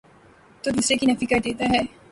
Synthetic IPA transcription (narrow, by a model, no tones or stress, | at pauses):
t̪od̪uːsɾekinɐfikɐɾd̪eːt̪aɦɛː